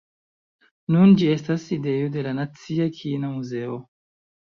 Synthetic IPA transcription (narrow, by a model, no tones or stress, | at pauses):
nund͡ʒie̞stasidejode̞lanat͡siakʰinamuze̞o